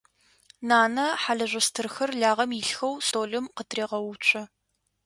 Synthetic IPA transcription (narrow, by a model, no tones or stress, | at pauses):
naːnɐħaɮɐʒʷʊstʰɨrxɐrɮaːʁɐmjɪɬxɐwsoːɮɨmqətʰreːʁɐwʊt͡ʃʷʼɐ